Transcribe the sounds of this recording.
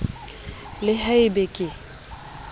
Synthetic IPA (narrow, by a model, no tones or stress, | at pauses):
lɪhɛɪbekʼɪ